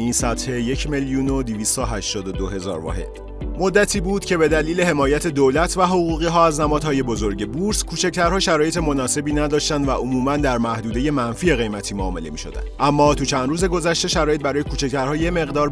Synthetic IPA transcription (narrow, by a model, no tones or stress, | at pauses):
isæt̪he̞je̞cʰmeljuːno̞d̪iviːst̪ɒɦæʃt̪ɒːd̪od̪oɦe̞zɒ̰ːɾvɒ̰he̞̰d̪̥ | mo̞d̪ːæt̪ʰiːbuːd̪̥cʰe̞be̞d̪æliːle̞ɦe̞mɒːjæt̪ʰe̞d̪olæt̪ʰvæɦo̞ɣuːɣiːɦɒːæznæmɒːd̪̥hɒːje̞bo̞zo̞ɾɟe̞buɾskʰuːt͡ʃʰæct̪æɾhɒːʃæɾɒːje̞t̪ʰe̞monɒːse̞biːnæd̪ɒːʃt̪ænd̪væʔomuːmænd̪æɾmæhd̪uːd̪e̞je̞mænfiːe̞ɣe̞jmæt̪ʰiːmoɒːme̞̰le̞miːʃo̞̰d̪æ̰nd̪ʔæmːɒːt̪ʰut͡ʃʰænd̪ɾuːze̞ɡo̞zæʃt̪e̞ʃæɾɒːje̞t̪̚bæɾɒːje̞kʰuːt͡ʃʰect̪ʰæɾhɒːjeme̞ɣd̪ɒːɾ